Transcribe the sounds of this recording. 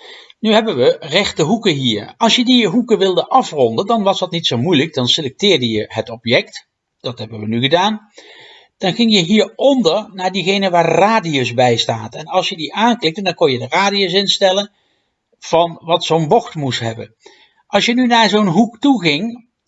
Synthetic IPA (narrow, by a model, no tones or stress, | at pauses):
nyɦɛbənʋərɛχtəɦukəɦiːɹɑlˠsjədiɦukəʋɪlˠdəʔɑfrɔndəndɑnʋɑsdɑtnitsowmujlək̚dɑnselɛk̚tɪːɹdəjəɦətɔpjɛkt | d̥ɑtɦɛbənʋənyɣədaːn | d̥ɑnχɪŋjəɦiːɹɔndəɹnaːɹdiɣejnəʋaːɹraːdiosbɛjstaːtɛnɑlˠsjədiʔaːnklɪk̚təndɑnkɔnjədəraːdios̬ɪnstɛlən | v̥ɑnʋɑtsownbɔxtmustɦɛbə̰n | ʔɑlˠsjənynaːɹzownɦuktuɣɪŋ